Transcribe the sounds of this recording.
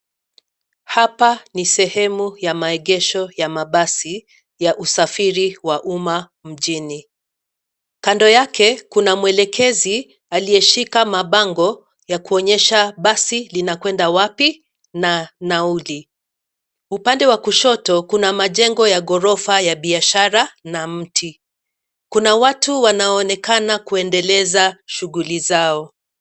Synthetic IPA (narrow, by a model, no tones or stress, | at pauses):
hapanisɛhɛmujamaɛɠɛʃɔjamaɓasi | jaʔusafiɾiwaʔuma | m̩ʄini | kandɔjakɛkunamwɛlɛkʰɛzi | alijɛʃikamaɓaŋɡɔ | jakuɔɲɛʃaɓasilinakwɛndawapi | nanauli | upandɛwakuʃɔtɔkunamaʄɛŋɡɔjaɠɔɾɔfajaɓiaʃaɾanam̩tʰi | kunawatuwanaɔːnɛkanakuɛndɛlɛzaʃuɣulizaɔ